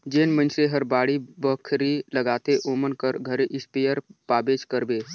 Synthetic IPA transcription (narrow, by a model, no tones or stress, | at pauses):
d͡ʒeːnmənʃɾeɦəɾbaːɽibəkʰɾiləɡaːt̪eʔoːmənkəɾɡʱəɾeʔɪspeːjəɾpaːbeːd͡ʒkəɾbeː